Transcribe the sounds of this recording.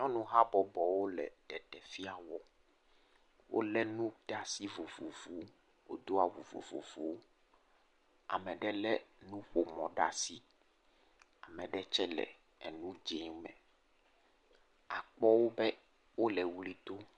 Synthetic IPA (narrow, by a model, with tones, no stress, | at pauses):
ɲɔ̃˦nũ˦ɦa˦bɔ˨bɔ˨wo˦lɛ̰˨ɖ̪ɛ˨t̪ɛ˨fi˦a˨wɔ˦ | wʔo̰˦lɛ˦nũ˦ɖa˦si˦vo˨vo˨vu˨˦ | wo̰˦d̪o˦a˨vo̰˨vo̰˨vo̰˨vo˨wo˦ | a̰˨mɛ̃˨ɖɛ˦lɛ˦nũ˦ɸo˨mɔ̰̃˨ɖa̰˦si˦ | a˨mɛ̃˨ɖɛ˦t͡ʃɛ˦lɛ̰˨ | ɛ̰˨nũ˦d͡ʒe˨˦mɛ̰̃˨ | a˨k͡pɔ˦wo˦bɛ˦ | wo˦lɛ˨wu˦li˦t̪o˦